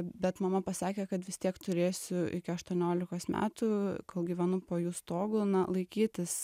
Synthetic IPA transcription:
bʲɛt̪mɐmɐpɐsɑːkʲeːkɐt̪ʋʲɪst̪ʲiɛkt̪ʊɾʲeːsʲʊʔɪ̰kʲɪɐʃt̪uɔnʲoːlʲɪkoːsmʲæ̰ːt̪ukoːlˠɡʲiːʋʲɛnʊpoːjuːst̪oːɡʊːnɐlˠɐɪkʲiːt̪ʲɪs

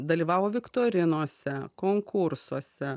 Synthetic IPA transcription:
d̪ɐlʲiːʋɑːʋoːʋʲɪkt̪oːɾʲɪnoːsʲɛkoːŋkʊɾsuɔsʲɛ

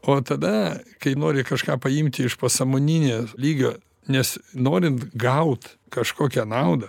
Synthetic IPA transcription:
oːt̪ɐd̪ɐkɐɪnoːɾʲɪkɐʃkɑːpɐɪmʲt̪ʲɪɪʃpɐsɐmoːnʲinʲeːlʲiːɡʲoː | nʲɛsnoːɾʲɪnt̪ɡɐʊt̪kɐʃkoːkʲɛnɐʊd̪ɐ

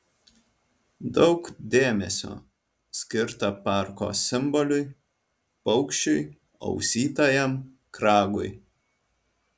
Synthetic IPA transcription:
d̪ɒʊkd̪ʲeːmʲɛsʲo̰ː | sʲkʲɪɾt̪ɐpɑˑɾko̰ːsʲɪmbɔlʲʊɪ | pɒʊkʃʲt͡ʃʲʊj | ɐ̰ʊsʲiːt̪ojɛm | kɾɑːɡʊj

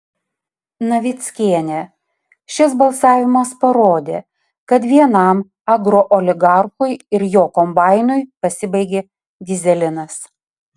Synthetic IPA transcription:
nɐʋʲɪt̪sʲkʲiɛnʲe | ʃʲɪs̬bɐlˠsɑːʋʲɪmɐspɐɾoːd̪ʲeː | kɐt̪ʋʲiɛnɐˑm | ɐɡɾoʔɔlʲɪɡɑˑɾxʊɪɪɾjoːkɔmbɑˑɪnʊɪpɐsʲɪbɐɪɡʲeː | d̪ʲɪzʲɛlʲɪnɐs

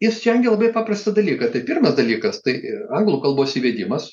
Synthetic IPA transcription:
jɪst͡ʃʲɛŋʲɡʲɛlˠɐbɐɪpɑːprɐst̪ɐd̪ɐlʲiːkɐt̪ɐɪpʲɪrmɐsd̪ɐlʲiːkɐst̪ɐɪɐŋɡlˠuːkɐlˠboːsiːʋʲeːd̪ʲɪmɐs

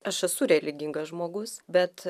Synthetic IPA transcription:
ɐʃɛsʊɾʲɛlʲɪɡʲɪŋɡɐsʒmoːɡʊsbʲɛt̪

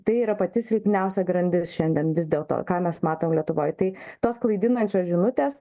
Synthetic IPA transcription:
t̪ɐɪiːɾɐpɐt̪ʲɪsʲɾʲɪpʲnʲɛʊsʲɛɡɾɐnʲd̪ʲɪsʃʲɛnʲd̪ʲiɛnʋʲɪzʲd̪ʲeːlˠt̪o̰kɑːmʲɛsmɑːt̪oːmlʲiɛt̪ʊʋoːjt̪ɐɪt̪oːsklˠɐɪd̪ʲɪnɐnʲt͡ʃʲoːsʒʲɪnʊt̪ʲeːs

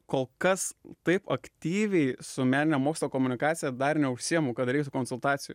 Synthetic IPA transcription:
koːlˠkɐst̪ɐɪpɐkt̪ʲiːʋʲɛɪsʊmʲæːnʲɪnʲɛmoːkslˠoːkoːmʊnʲɪkɑːt̪sʲɪjɛd̪ɐrnʲɛʊʃʲsʲijɛmuːkɐt̪ɾɛɪkt̪ʊkoːnsʊlˠt̪ɑːt̪ʲɪjʊ

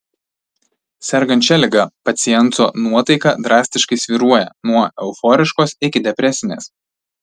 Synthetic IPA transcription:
sʲɛɾɡɐnʲt͡ʃʲɛlʲɪɡɐpɐt̪sʲɪjɛnˑt̪oːnuɔt̪ɐɪkɐd̪ɾɑːsʲt̪ʲɪʃkɐɪsʲʋʲiɾuɔjɛ̰nuɔʔɛʊfɔːɾʲɪʃkoːsɪkʲɪd̪ʲɛpʲɾʲɛsʲɪnʲḛːs

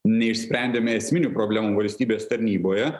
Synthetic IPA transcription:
nʲɛɪʃʲsʲpʲɾʲɛˑnʲd̪ʲeːmʲɛɛsʲmʲɪnʲupɾoːbʲlʲæːmuːʋɐlʲsʲt̪ʲiːbʲeːst̪ɐɾʲnʲiːboːjɛ

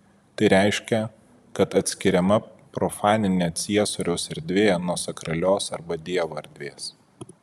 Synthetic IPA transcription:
t̪ɐɪɾʲæɪʃʲkʲɛ | kɐt̪ɐt̪ʲsʲkʲɪɾʲɛmɐpɾɔfɑːnʲɪnʲeːt̪sʲiɛsoːɾʲɛʊsɛɾʲd̪ʲʋʲeːjɛnuɔsɐkɾɐlʲoːsɐɾbɐd̪ʲiɛʋoɐɾʲd̪ʲʋʲeːs

